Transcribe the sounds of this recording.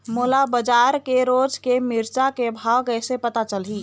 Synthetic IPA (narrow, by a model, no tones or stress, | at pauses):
moːlabəd͡ʒaɾkeɾoːd͡ʒkemiɾt͡ʃakebʱawkəjsepət̪at͡ʃəlɦi